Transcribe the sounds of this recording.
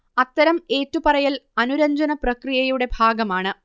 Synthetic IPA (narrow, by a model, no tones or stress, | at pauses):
ɐt̪ːɐɾɐme̞ːtːupɐrɐjilɐnuɾɐɲd͡ʑɐnɐprɐkrijɐjuɽe̞bʱaːɡɐmaːɳɨ